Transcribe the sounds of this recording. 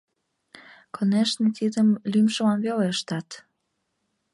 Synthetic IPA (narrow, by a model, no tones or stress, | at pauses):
kʰoneʃnet̪id̪əmlymʃəmɑnβeleʃt̪ɑt̪